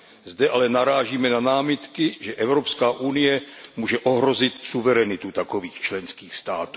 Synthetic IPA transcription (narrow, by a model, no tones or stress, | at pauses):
zdɛʔalɛnaɾaːʒiːmɛnanaːmɪt̪kɪʒɛʔɛvɾopskaːʔunɪjɛmuːʒɛʔoɦɾozɪt̪suvɛɾɛnɪt̪ut̪akoviːxt͡ʃlɛnskiːxst̪aːt̪uː